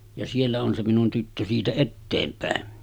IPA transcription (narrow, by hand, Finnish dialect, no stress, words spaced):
jɑ sielːæ on se minun tytːø siːtæ etːeːmpæˑen